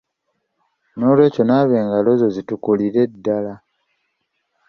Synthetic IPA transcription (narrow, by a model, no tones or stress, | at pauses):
no̞ːlwe̞ːco̞naːβe̞ːŋɡalo̞zo̞zitukuliɾe̞dːala